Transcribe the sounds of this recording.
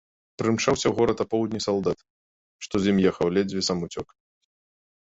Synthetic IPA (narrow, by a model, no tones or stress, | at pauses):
pɾɨmt͡ʂawsʲɐwɣɔɾɐt̪ɐpɔwd̪ʲnʲisɐlˠd̪at̪ | ʂt̪ɔzʲjimjɛxɐwlʲɛd͡zʲvʲisɐmut͡sʲɔk